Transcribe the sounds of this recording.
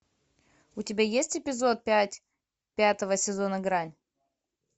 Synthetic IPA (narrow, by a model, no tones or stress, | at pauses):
ʊtʲɪbʲajesʲtʲɪpʲɪzo̞t̪̚pʲatʲ | pʲat̪əvəsʲɪzo̞nəɡɾanʲ